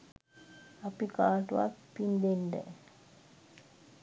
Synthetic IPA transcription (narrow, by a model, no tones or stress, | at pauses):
apikaːʈuʋa̰k̪pind̪enɖə̰